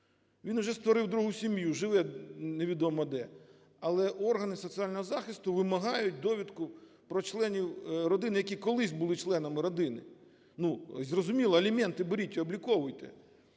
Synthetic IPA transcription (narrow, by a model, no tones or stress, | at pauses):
ʋʲinwʒɛst̪ʋɔɾɪwd̪ɾuɦusʲimjuʒɪʋɛneʋʲid̪ɔmɔd̪ɛ | ɐlˠɛʔɔrɦɐnɪsɔt̪sialʲnɔɦɔzɑxɪst̪ʊʋɪmɐɦɑjʊt̚ʲd̪ɔʋʲid̪kʊ | pɾɔt͡ʃlˠɛnʲiwɾɔd̪ɪnɪjɐkʲikɔlˠɪsʲbʊlˠɪt͡ʃlˠɛnɐmɪɾɔd̪ɪnɪ̰ | nuzrɔzʊmʲilˠɐɐlʲimɛnt̪ɪbeɾʲitʲiɔblʲikɔʋʊjt̪ɛ̰